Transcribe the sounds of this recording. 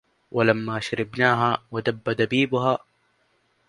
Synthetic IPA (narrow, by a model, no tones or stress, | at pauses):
wʔalamːaːʃaɾɪbnaːɦaːwad̪abːad̪abiːbʊɦaː